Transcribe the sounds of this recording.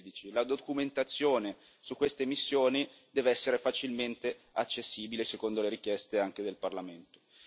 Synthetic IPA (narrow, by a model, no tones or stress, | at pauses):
d̪it͡ʃilad̪okument̪at̪sːjoːne | sukːwest̪emisːjoːnid̪ɛːveɛsːeɾefat͡ʃilment̪e | at͡ʃːesːiːbilesekond̪oleɾik̟jɛst̪eaŋk̟ed̪elparlament̪o̥